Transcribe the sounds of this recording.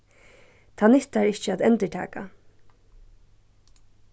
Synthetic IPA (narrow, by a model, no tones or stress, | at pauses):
t̪ʰaːnɪht̪aɹɪht͡ʃəaːt̪ɛnt̪əʈʰæ̰ːka̰